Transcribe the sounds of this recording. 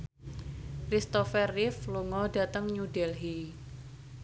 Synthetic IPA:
kɾist̪ɔfɛrɪfluŋɔɖa̤t̪əŋɲudɛlɦi

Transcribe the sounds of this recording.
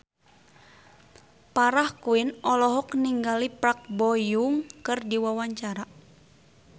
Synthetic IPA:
paɾahkuinɔlɔɦɔkniŋɡalipɾak̚bɔjuŋkɨrdiwawaɲt͡ʃaɾa

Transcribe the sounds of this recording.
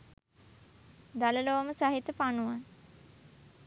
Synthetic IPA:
d̪aləloʋɐməsaɦit̪əpanuʋan

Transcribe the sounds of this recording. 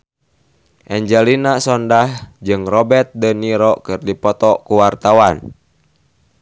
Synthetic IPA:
ʔɛɲd͡ʒəlinasɔndahd͡ʒɨŋrɔbɛt̪̚dəniɾɔkɨrdipɔt̪ɔkuwart̪awan

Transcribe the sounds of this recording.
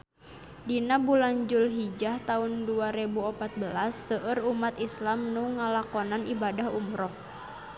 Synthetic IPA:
dinabuland͡ʒulɦid͡ʒaht̪aunduaɾɛbuɔpat̪̚bəlasːəʔərumat̪islamnuŋalakɔnanibadaɦumɾɔh

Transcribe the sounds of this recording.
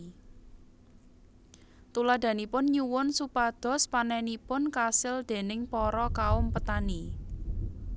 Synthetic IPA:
t̪ulad̪̥a̤nipʊnɲuwʊnsupad̪̥ɔ̤spanɛnipʊnkasɪld̪̥e̤nɪŋpɔɾɔkaʊmpət̪ani

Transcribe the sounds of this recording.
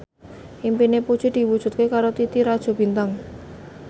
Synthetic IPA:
ʔimpinepud̥ʒ̥id̪̥i̤wud̥ʒ̥ṳt̪̚kekaɾot̪it̪iɾad̥ʒ̥o̤b̥int̪əŋ

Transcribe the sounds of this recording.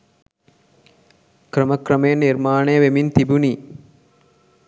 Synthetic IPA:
kɾɐmɐkrɐmeːniɾmaːɳejɐʋemint̪ibuni

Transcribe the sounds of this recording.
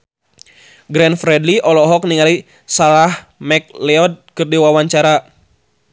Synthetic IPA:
ɡɾɛnfɾɛdliʔɔlɔɦɔk̚niŋali | salahmɛk̚lɛɔd̚kɨrdiwawaɲt͡ʃaɾa

